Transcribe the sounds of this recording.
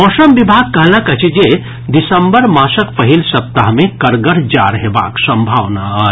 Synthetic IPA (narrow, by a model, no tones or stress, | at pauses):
ɔsəmbibʱaɡ̚kəɦləkət͡ʃʰd͡ʒe | d̪isəmbəɾmãsəkpəɦilsəp̚t̪aɦmekəɾɡəɾd͡ʒaɾɦeba̰ksə̃mbʱaʋnaə